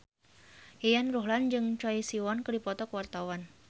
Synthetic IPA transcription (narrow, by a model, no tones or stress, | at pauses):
hejanruɦland͡ʒɨŋt͡ʃɔisiwɔnkədipɔt̪ɔkəwart̪awan